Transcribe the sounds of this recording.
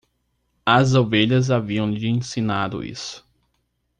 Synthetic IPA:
ɐzoveʎɐzaviɐ̃w̃ʎɪẽsinad̪ʊ̰ḭsʊ̥

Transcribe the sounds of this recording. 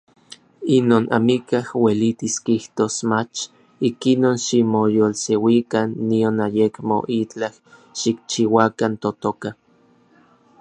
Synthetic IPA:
inoːnʔa̰mikahwelit̪iskiht̪oːsmat͡ʃ | ikinoːnʃimojolsewikanːionajekmo̰ʔit͡ɬah | ʃikt͡ʃiwakant̪ot̪oka

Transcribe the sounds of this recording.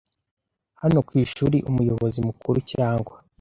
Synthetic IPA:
hano̞kwiːʃuːɾiʔumujo̞βozimukuɾucaːŋɡwa

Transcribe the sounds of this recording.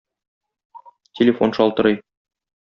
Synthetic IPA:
tʲʰelʲɪfo̞nʃɒlˠt̪ɤ̆ɾɤj

